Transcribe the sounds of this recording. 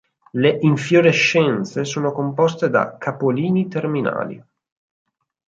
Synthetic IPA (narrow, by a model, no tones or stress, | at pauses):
leʔiɱfjoɾeʃːɛnt̪sesoːnokompɔst̪ed̪a̰kʰapoliːnit̪ermina̰ːlḭ